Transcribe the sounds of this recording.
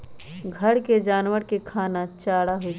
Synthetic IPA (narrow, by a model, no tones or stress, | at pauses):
ɡʱɐɽked͡ʒaːnʋəɾkekʰaːnat͡ʃaːɽaɦoi